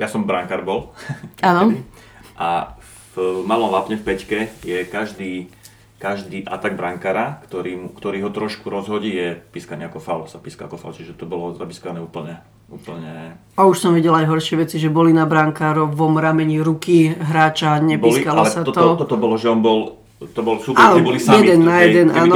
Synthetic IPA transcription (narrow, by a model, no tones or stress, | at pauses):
jasɔmbɾaŋkaɾbɔlaːnɔi | ʔa | vmalɔmlapɲɛfpɛckɛjɛkaʒd̪iː | kaʒd̪iːʔat̪aɡbɾaŋkaːɾakt̪ɔɾiːmukt̪ɔɾiːɦɔt̪ɾɔʃkuɾɔzɦɔɟiːjɛpiskaniːakɔfalsapiska̰a̰kɔfa̰lt͡ʃiʒɛt̪ɔbɔlɔzabiskɔanɛːuːpl̩ɲɛ | uːpl̩ɲɛ | auʃsɔmʋiɟɛlajɦɔɾʃɪɛʋɛt͡siʒɛbɔlinabɾaŋkaːɾɔʋɔmɾamɛɲiɾukiɦɾaːt͡ʃaɲɛpbiːlikalalɛsat̪ɔt̪ɔt̪ɔt̪ɔbɔlɔʒɛɔnbɔl | t̪ɔbɔlsuːpaːɔbɔlisaɛmd̪ɛnːajɛd̪ɛnaːnɔ